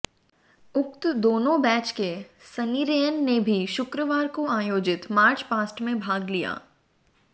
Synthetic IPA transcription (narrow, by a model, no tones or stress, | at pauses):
ʊkt̪d̪oːnõbɛːt͡ʃkesɐniːɾejənːebʱiʃʊkɾəʋaːɾkoaːjoːd͡ʒɪt̪maːɾt͡ʃpaːsʈmẽbʱaːɡlija̰ː